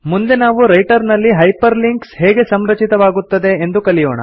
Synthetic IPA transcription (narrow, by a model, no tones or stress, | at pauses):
mund̪e̞naːʋuɾɐjʈɐɾnɐlːiɦɐjpɐɾliŋkshɛːɡe̞sɐmɾɐt͡ʃit̪ɐʋaːɡut̪ːɐd̪e̞ːnd̪ukɐlijoːɳɐ̰